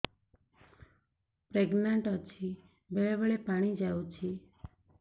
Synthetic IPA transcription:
pɾeɡnaɳʈət͡ʃʰi | beɭeʋəɭepaɽ̃id͡ʒajũt͡ʃʰi

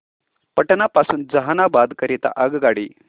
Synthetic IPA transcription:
pəʈənapasuːnd͡zɐɦanabad̪kəɾit̪a̰ʔɐɡɡaɽi

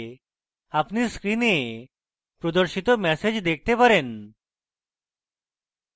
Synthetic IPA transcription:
apniːskɾine | pɾɔd̪əɾɕit̪ɔmɛsed͡ʑd̪ek̚ʰt̪epəɾen

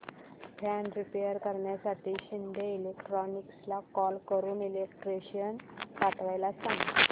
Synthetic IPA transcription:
pʰanɖɾipejəɾkəɾɳjasaʈiːɕind̪ʱeilekʈɾɔnikslakɔlkəɾuːnilekʈɾeɕijənkaʈ̪ʋajlasãŋɡ

